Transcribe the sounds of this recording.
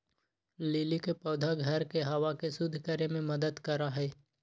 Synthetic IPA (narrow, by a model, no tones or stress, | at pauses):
leːlikepɔːd̪ʱaɡʱɐɾkeɦɐʋakesʊd̪ʱkəɾemẽmɐd̪əd̪kɐɾaɦɛː